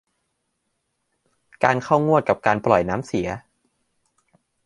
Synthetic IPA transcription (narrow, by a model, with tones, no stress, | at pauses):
kaː˧nkʰa˥˩wŋu˥˩ət̪̚ka˨˩p̚kaː˧nplɔ˨˩jnaː˦˥msi˩˦ɐ